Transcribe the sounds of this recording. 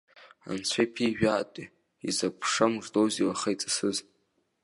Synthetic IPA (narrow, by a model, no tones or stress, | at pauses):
a̰nt͡sʷʰejpʰiʒᶣaːtʼi | izapʰʂamʐdowziwaχajt͡sʼḁsɨz